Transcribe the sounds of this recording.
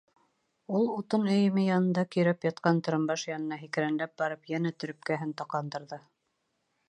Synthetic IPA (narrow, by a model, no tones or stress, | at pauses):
ulˠut̪ɤnɵ̆jɘ̆mɘjɑnɤ̆nd̪ɑkɵ̆jɾæpjɑt̪̚qɑnt̪ɤ̆ɾɤ̆mbɑʃjɑnɤ̆nɑɦikɘ̆ɾænlæp̚bɑɾɤpjænæt̪ɵ̆ɾɵ̆p̚kæɦɘnt̪ɑqlˠɑnd̪ɤ̆ɾðɤ